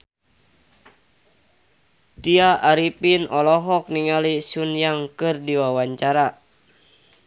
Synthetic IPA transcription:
t̪iaʔːɾipinɔlɔɦɔk̚niŋalisunjaŋkɨrdiwawaɲt͡ʃaɾa

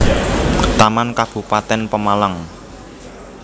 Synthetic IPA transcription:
t̪amankab̥ṳpat̪ɛnpəmaləŋ

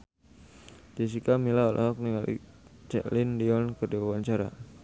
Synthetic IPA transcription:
t̪is̬ikamilaɔlʔɔ̰ɦɔk̚niŋalḭt͡ʃɛ̰ʔlindiɔnkərdiwawaɲt͡ʃaɾa̰

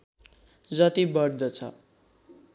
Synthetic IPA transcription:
d͡zʌt̪ibʌrd̪ʌt͡sʰʌ̰

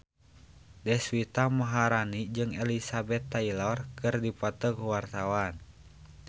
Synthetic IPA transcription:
dɛswit̪amaɦaɾanid͡ʒɨŋɛlisabɛt̪ːailɔrkɨrdipɔt̪ɔkuwart̪awan

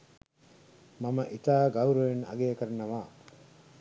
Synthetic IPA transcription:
mɐmɐʔit̪aːɡɐuɾoenɐ̰ɡeːkɐɾɐnɐʋaː

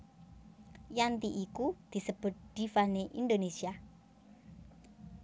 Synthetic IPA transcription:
jant̪iʔikud̪̥i̤səb̥ʊ̤t̪̚d̪̥ifaneʔind̪onesia

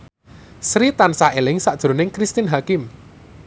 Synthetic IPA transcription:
sɾit̪ansaʔelɪŋsad̥ʒ̥ɾo̤nɪŋkɾist̪inɦakɪm

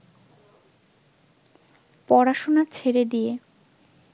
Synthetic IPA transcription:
pɔɾaʃonaɾt͡ɕʰeɾed̪ije

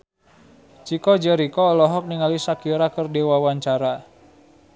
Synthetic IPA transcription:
t͡ʃikɔd͡ʒɛɾikɔːlɔɦɔk̚niŋalisakiɾakərdewawaɲt͡ʃaɾa

